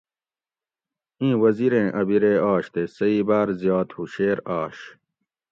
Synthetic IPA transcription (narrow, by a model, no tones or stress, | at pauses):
ĩːwɐziɾẽːʔɐbiɾeaːɕt̪esɐiːbaːɾzjɑːt̪huɕeːɾaːɕ